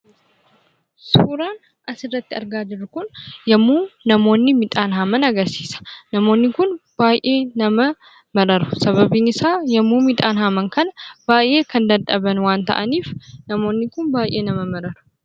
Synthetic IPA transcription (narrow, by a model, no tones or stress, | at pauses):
suːɾaːn | ʔɐsɪrːɐt̪ːɪɐɾɡaːd͡ʒɪɾːʊkʊnjɐmːuːnɐmo̞ːnːɪmɪt̪ʼaːnɦamɐnɐɡɐɾsi̥ːsɐ̥nɐmo̞ːnːɪkʊnb̥aːjʔe̞ːnɐmɐ | mɐɾɐɾʊ̥sɐβɐbiːnɪsaːjɐmːuːmɪt̪ʼaːnhamɐŋkɐnɐbaːjʔe̞ːkʰɐnd̪ɐɐbɐnwaːnt̪ɐ̰ʔɐniːfnɐmo̞ːnːɪkʊnbaːjʔe̞ːnɐmɐmɐɾɐɾʊ̥